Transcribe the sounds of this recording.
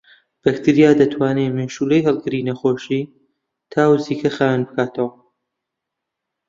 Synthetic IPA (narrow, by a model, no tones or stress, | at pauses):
b̥ɐkt̪ʰɨɾijaːd̪ɐt̪ʰwaːneːmeʃuːlejɦɐlˠɡɨɾiːnɐxoːʃiː | t̪ʰaːwɨziːkʰɐxaːwanbɨkʰaːt̪ʰɐwɐ